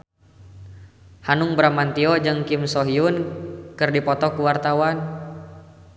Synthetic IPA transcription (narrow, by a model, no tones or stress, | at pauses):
hanuŋbɾamant̪iɔd͡ʒɨŋkimsɔɦiunkɨrdipɔt̪ɔkuwart̪awan